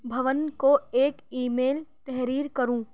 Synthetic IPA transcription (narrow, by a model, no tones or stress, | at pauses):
bʱɐʋənkoeːkiːmeːlt̪ɛɦɾiːɾkɐɾũː